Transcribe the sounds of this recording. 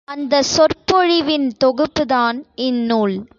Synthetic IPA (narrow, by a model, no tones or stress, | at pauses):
ɐnd̪ɐsɔrpɔɻɪʋɪnt̪ɔɣɯpːɯðaːnɪnːuːɭ